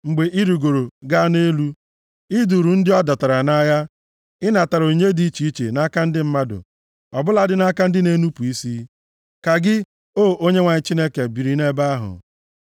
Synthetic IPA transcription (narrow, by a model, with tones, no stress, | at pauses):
ŋ͡m̩˨ɡ͡be˨ʔi˦ɾu˨ɡo˨ɾo˨ɡa˦ne˦lu˦ | i˦du˨ɾu˨n̩˦dɪ˦ɔ˦da˨ta˨ɾa˨na˦ja˦ | ɪ˦na˨ta˨ɾo˨ɲe˦di˦i˦t͡ʃi˨˦i˦t͡ʃḛ˨na˦ka˦n̩˦dɪ˦m̩˦ma˦dʊ̰˨ | ɔ˨bʊ˦la˦dɪ˦na˦ka˦n̩˦dɪ˦ne˦nu˦pu˨i˦si˦ | ka˨ɡɪ˦ | oː˦o˦ɲe˦ŋʷa˨ɲɪ˨t͡ʃi˦ne˦ke˨bi˨ɾi˨ne˦ba˦ɦʊ̰˨